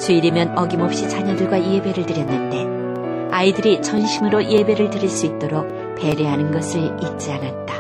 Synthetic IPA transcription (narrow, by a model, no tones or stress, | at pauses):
t͡ɕuiɾimjʌnʌɡimʌp̚ɕ͈it͡ɕʰaɲʌdɯɭɡwaie̞be̞ɾɯɭtɯɾjʌnːɯnde̞ | aidɯɾit͡ɕʰʌnɕʰimɯɾoʔiebe̞ɾɯɭtɯɾiɭs͈uit̚t͈oɾok̚ | p͈e̞ɾeɦanɯnɡʌsʰɯɭit̚t͡ɕ͈ianat̚t͈ḁ